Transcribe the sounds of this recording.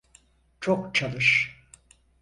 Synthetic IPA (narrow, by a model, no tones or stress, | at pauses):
t͡ʃʰokt͡ʃʰalˠɯʃ